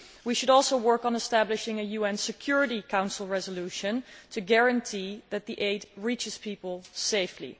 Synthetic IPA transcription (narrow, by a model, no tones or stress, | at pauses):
wiʃɨɾɔlˠsoʊwɜ˞kn̩əstæblɨʃɪ̃ŋɨjuɛ̃nsɨkʰj̥ʊɹɨɾikʰãʊ̃nsl̩ˠɹɛzəluʃɨ̃ntʰɨɡɛɹɨ̃ntʰiðɨt̪̚ðiʔeɪtɹit͡ʃɨz̥pʰipəl̩ˠseɪflḭ